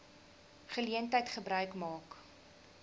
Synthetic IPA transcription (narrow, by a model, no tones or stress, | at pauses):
χəliəntəjtχəbrœɥkmɑːk